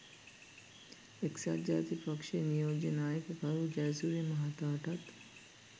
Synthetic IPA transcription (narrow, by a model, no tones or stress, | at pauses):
eksa̰ɾd͡ʒaːt̪ipɐkʃenijoːd͡ʒenaːjəkəkɐɾud͡ʒɛːzuːɾijmɐɦat̪aːʈɐt̪